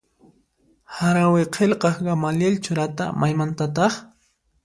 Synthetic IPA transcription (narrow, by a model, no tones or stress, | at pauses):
haɾaweqʰelqɑχɡamaljelt͡ʃʊɾat̪a̰mʔajmant̪at̪ɑχ